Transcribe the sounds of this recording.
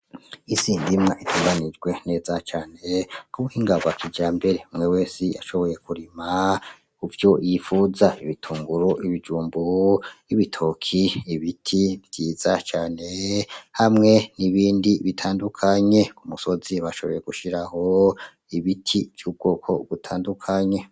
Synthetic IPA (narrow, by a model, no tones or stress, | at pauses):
isiːndimŋaʔitʰuːŋɡanid͡ʒɡwe̞ne̞ːzat͡ʃaːne̞kuβuhiːŋɡaβakʰid͡ʒaːmbe̞ɾe̞umŋe̞we̞ːsia̰ʃo̞βo̞je̞kʰuɾima | kuvjo̞jifuzaiβitʰuːŋɡuɾoʔiβid͡ʒuːmboiβitʰokʰiiβitʰivitʰiːzat͡ʃaːne̞hamŋe̞niβiːndiβitʰaːndukʰaɲe̞kumuso̞ziβaʃo̞βo̞je̞ɡ̥uʃiɾaho̞ | iβitʰivjuːb̚ɡo̞kʰo̞̰ɡ̥utʰaːndukʰaɲe̞